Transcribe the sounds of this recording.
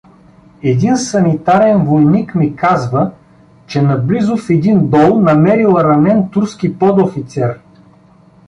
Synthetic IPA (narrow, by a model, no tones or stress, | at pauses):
ɛd̪insɐnit̪aɾɛnvojnikmikazvə | t͡ʃɛnɐblizʊfɛd̪ind̪ɔlˠnɐmɛɾilˠɾɐmɛnt̪uɾskipɔd̪ofit̪sɛɾ